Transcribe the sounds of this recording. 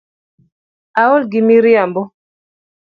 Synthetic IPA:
aɔlɡimiɾjambɔ

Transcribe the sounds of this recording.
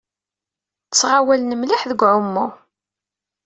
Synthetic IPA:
t͡sːʁawælnəmlɪħðəɡʷʕʊmːʊ

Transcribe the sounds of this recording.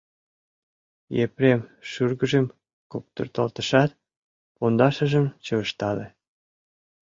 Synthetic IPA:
jepɾemʃyrɣəʒem | kop̚t̪ə̰rt̪əlt̪əʃɑt̪̚ | pond̪ɑʃə̆ʒəmt͡ɕəβəʃt̪ɑle

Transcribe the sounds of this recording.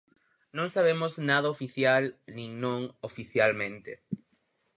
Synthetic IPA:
nõŋsaβ̞emoznaðɐofiθjalnĩŋnõŋofiθjalmẽnt̪e

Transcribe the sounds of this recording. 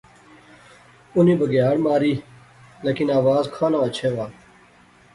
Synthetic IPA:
ʊnĩːbəɡjaːɽmaːɾiː | leːkinaːʋaːzkʰaːnãːɐt͡ɕʰeːʋaː

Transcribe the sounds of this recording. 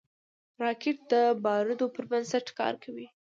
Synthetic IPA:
ɾɑkɪʈ̚d̪əbɑɾɪd̪opəɾbansaʈkɑ̰ɾkʰawi

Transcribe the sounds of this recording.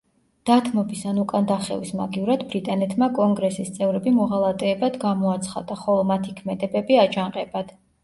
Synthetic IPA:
d̪̥at̪ʰmɔbisanukʼand̪aχɛ̰visma̰ɡiuɾad̪bɾit̪ʼanɛt̪ʰmakʼɔŋɡɾɛsist̪sʼɛvɾɛbimɔʁalˠat̪ʼɛːbad̪ɡamɔat̪sʰχa̰d̪aχɔlˠɔmat̪ʰikʰmɛd̪ɛbɛbiad͡ʒaŋqʼɛbad̪̥

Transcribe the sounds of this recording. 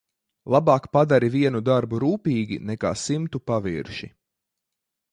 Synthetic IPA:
lˠabɑːkpad̪aɾiviɛnud̪aɾbuɾuːpiːɡʲḭnɛka̰ːsimt̪upavḭɾʃḭ

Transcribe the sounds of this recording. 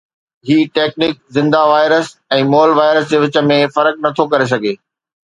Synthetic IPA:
ɦiːʈeːk̚nɪk̚zɪ̃nd̪aʋaːɪɾəs | ɛ̃ːmoːlʋaːɪɾəs̬d͡ʑeːʋɪt͡ɕə̆mẽfɐɾək̚nɐt̪ʰokɐɾes̬ɐɡʱeː

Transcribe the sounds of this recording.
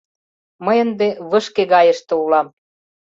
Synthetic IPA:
məjə̆nd̪eβəʃkeɣɑjəʃt̪ĕulɑm

